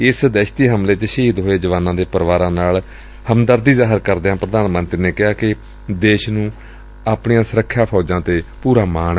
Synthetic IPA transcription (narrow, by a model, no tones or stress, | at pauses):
ɪsd̪ɛːʃt̪iːɦəmleːt͡ʃəʃiɦd̪ɦoːeːd͡ʒəʋaːnãːd̪eːpəɾʋaːɾãːnaːl | həmd̪əɾd̪iːzaːɦəɾkəɾd̪eːɦãːpɾəd̪aːnmə̃nt̪ɾiːneːkɪɦaːkɪ | d̪eːʃnũː | aːpɳiːãːsəɾəkʰːjaːpʰɔːd͡ʒãːt̪eːpuːɾaːmaːn